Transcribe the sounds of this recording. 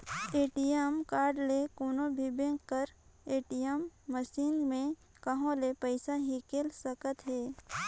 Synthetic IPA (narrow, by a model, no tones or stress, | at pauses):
eːʈijəmkaːɾɖlekoːnõbʱibẽŋːəɾeːʈijəmːəʃiːnmẽ | kəɦõlepəɪsaɦikeːlsəkət̪ɦɛː